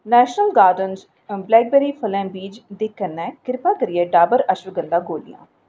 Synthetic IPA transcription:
nɛːʃnəlɡaːɾɖənz | blɛːk̚bɛːɾiːpʰəlɛ̃ːbiːd͡ʒd̪eːkənːɛ̃ːkɪɾpaːkəɾijɛːɖaːbəɾəʃʋəɡə̃nd̪aːɡoːlɪ̰jã̰ː

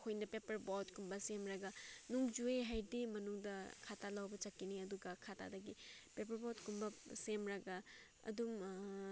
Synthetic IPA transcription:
kʰojnɐpepɐɾbotkumbɐsemɾɐɡanuŋd͡ʒueɦajdimɐnuŋdɐkʰatʰalawbɐt͡ʃɐkːiniɐduɡɐkʰatʰa̰dɐɡipep̬ɐɾbotkumbɐsemɾɐɡa | ɐ̰dum

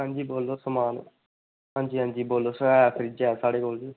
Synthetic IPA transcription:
ɦãːɲd͡ʒiːboːlːoːsəmaːn | ɦãːɲd͡ʒiːɦãːɲd͡ʒiːboːlːoːsɛpʰɪɾid͡ʒɛːsaːɽeːkoːld̪eː

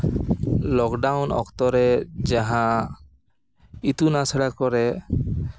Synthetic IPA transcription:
lɔkɖawnɔ̰kt̪ɔɾɛd͡ʒaɦã | it̪unasɛɽakɔɾɛ

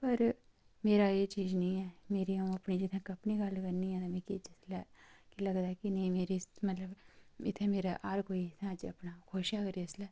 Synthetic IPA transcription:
pəɾ | meːɾaeːt͡ʃiːd͡ʒnɐɪ̃ːɛːmeːɾiãɐpniːd͡ʒɪt̪ʰẽkɐpniɡɐlkəɾniɛ̃ːt̪amɛ̃kit͡ʃɪslɛːkilɐɡd̪aːɛkinɐĩmeːɾimɐt̪ləbɪ̰t̪ʰẽmeːɾaʔaːɾkoːiɪt̪ʰãd͡ʒɐ̰pnakʰoːʃakəɾiɪslɛː

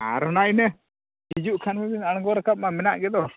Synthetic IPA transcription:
a̰ɾɔnajnɛ | hid͡ʒuʔkʰanmɛbinaɽ̃ɡɔɾɛkap̚mamɛnaʔɡɛd̪ɔ

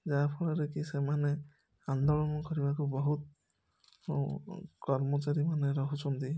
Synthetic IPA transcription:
zapʰɔlaɾekisɛmanɛ | and̪ɔɭɔmɔkɔɾibakubɔɦut̪̚ | kɔɾmɔt͡ʃaɾimaneɾɔɦusɔnd̪i

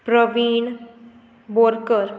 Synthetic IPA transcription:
pɾəʋiːn | boɾkəɾ

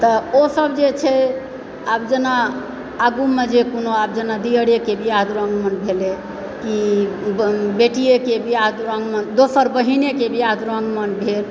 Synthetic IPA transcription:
t̪əosəbd͡ʒet͡ʃʰɛ | abd͡ʒenaː | ɡumed͡ʒekonoab̚d͡ʒenad̪iəɽekebʱiaɦd̪ɾə̃ŋɡmənbʱele | ki | beʈijekebʱiaɦd̪ɾəŋɡmənd̪osəɾbəɦinekebʱiad̪ɾəŋɡmənbʱel

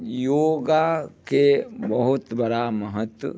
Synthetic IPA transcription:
joːɡakebəɦʊt̪bəɾaməɦət̪wə̰

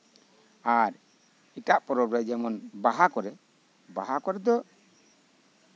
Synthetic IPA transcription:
aɾ | iʈaʔpɔɾɔbɾɛd͡ʒɛmɔnbaɦakɔɾɛ | baɦakɔɾɛd̪ɔ

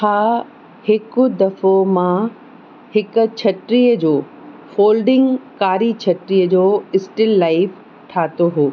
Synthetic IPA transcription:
haː | hɪkʊd̪ɐfomã | hɪkʊ̆t͡ɕʰɐʈɾiːjəd͡ʑoː | foːlɖɪ̃ŋɡkaːɾit͡ɕʰɐʈɾijəd͡ʑoːɪsʈɪlːaːɪf | ʈʰaːt̪oɦoː

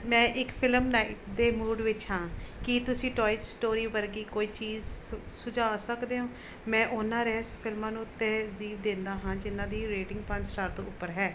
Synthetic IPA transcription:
mɛ̃ːʔɪkpʰɪləmnaːɪʈd̪eːmuːɖʋɪt͡ʃɦãːkit̪ʊsĩːʈɔːɪtsʈoːɾiːʋəɾɡiːkoːiːt͡ʃiːzsʊd͡ʒaːsəkd̪eːɦõː | mɛ̃ːʔʊnːãːɾɛːspʰɪlmãːnũːt̪ːẽːziːʋd̪ẽːnd̪aːɦãːd͡ʒɪnãːd̪iːɾeːʈɪ̃ŋɡpʰənsʈaːɾt̪õ̰ːʊpːəɾɦɛː

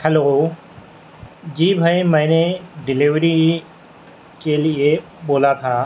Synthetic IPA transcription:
kʰɐloː | d͡ʑiːbʱəĩmɛ̃ːneɖɪlɪʋɾi | kelɪe | ɓoːlat̪ʰaː

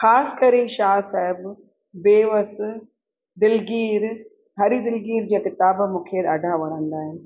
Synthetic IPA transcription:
xaːsɪ̥kɐɾeʃaːsaːɦɪb | beːʋəs | d̪ɪlɡiːɾ | ɦɐɾid̪ɪlɡiːɾd͡ʑiːakɪt̪aːbmũːkʰeːɾaːɖʱaʋɐɽ̤ə̃nd̪aːɦɪnɪ̆

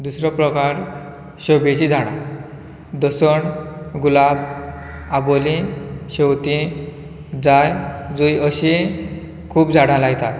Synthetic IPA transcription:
d̪usɾɔpɾɔkaɾ | ɕobet͡ɕid͡zʱaɽ̃a̰ | d̪əsɔɳɡulab | abolĩɕewt̪ĩ | d͡zajd͡zujəɕi | kʰuːpd͡zʱaɽãlaɡt̪at̪

